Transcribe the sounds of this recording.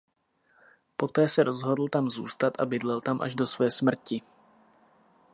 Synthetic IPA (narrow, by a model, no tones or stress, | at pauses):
po̞t̪ɛːsɛɾʔo̞zɦo̞dl̩t̪amzṵːst̪at̪ʔa̰bɪdlɛlt̪amʔa̰ʒdo̞svɛːsmr̩cɪ